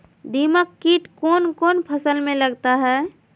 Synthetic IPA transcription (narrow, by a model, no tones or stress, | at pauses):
d̪ʱiməkːiʈkɔːnkɔːnpʰəsəlmẽləɡt̪aɦɛː